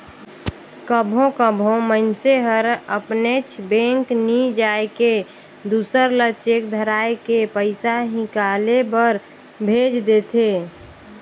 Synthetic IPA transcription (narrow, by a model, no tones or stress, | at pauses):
kəbʱõkəbʱõmənseɦəɾəpnet͡ʃʰbẽːŋknid͡ʒaːeke | d̪uːsəɾlət͡ʃek̚d̪ʱəɾaːekepəɪsaɦɪ̃kalebəɾ | bʱeːd͡ʒd̪et̪ʰe